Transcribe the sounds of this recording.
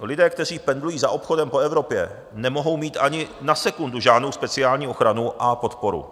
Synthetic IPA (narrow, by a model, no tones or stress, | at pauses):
lɪdɛːk̚t̪ɛr̝iːpɛndlujiːzaʔo̞pxo̞dɛmpo̞ɛvɾo̞pjɛ̰ | nɛmo̞ɦo̞wmiːt̪ʔaɲɪnasɛkunduʒaːdnowspɛt͡sɪaːlɲiːo̞xɾanuʔapo̞t̪po̞ɾṵ